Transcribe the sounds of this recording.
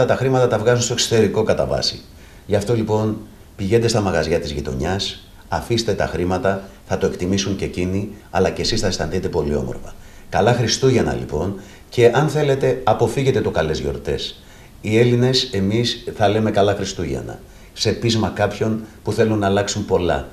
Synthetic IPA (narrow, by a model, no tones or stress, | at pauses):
ɐt̪ɐxɾimɐt̪ɐt̪ɐvɣɐzunst̪okso̥t̪e̞ɾiko̞kɐt̪ɐ̰vɐ̰sḭ | ʝɐft̪o̞lipo̞n | piʝe̞nd̪e̞st̪ɐmɐɣɐzʝɐt̪izʝit̪o̞̰ɲɐs | ɐfist̪e̞t̪ɐ̰xɾimɐt̪ɐ | θɐt̪o̞e̞kt̪imisuɲce̞ciniɐlɐce̞sisθɐest̪ɐ̰nθit̪e̞po̞lio̞̰moɾfɐ̰ | kɐlɐxɾist̪uʝenɐ̰lḭpo̞n | ce̞ʔɐnθe̞le̞t̪e̞ɐpo̞fiʝe̞t̪e̞t̪o̞kɐle̞zʝo̞̰ɾt̪e̞̰s | ie̞line̞se̞misθɐle̞me̞kɐlɐxɾist̪uʝḛnɐ̰ | se̞pizmɐkɐpço̞npuθe̞lunːɐːlɐksumpo̞lɐ̰